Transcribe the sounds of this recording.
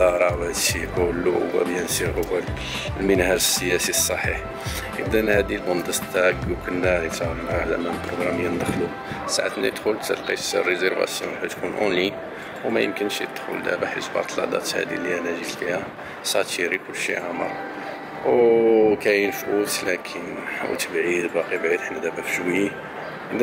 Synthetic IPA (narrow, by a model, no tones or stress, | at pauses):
ɑɾˤɑwæt̪ʃiʔulːʔwæ̰bjænsiʔowæl | lmənhæʒəsːəjæsisˤːɑħiħ | ʔə̰bd̪ənhæd̪ilbund̪ɑst̪æɡwkʊnːæt̪æɣlmalæ̰mænəpɾoɡɾɑmjænd̪əxlu | saʕa̰t̪næ̰d̪xʊlt̪əlqisrːəzəɾvæ̰sjṵ̃nħæt̪kunʔʊ̰ni | wmæjə̰mkənʃəd̪xʊ̰ld̪æ̰baħə̰sbɑ̰t̪ˤlɑ̰d̪ˤɑ̰t̪hæ̰d̪ḭlːiʔænæʒit̪fihæ | sˤɑt̪iɾikʊlːʃḭʕamə̰ɾ | wkæjənfʔut̪lækʰənwt̪əbʕid̪bɑqibʕid̪ħnːæd̪æbæfʃwəi | d̪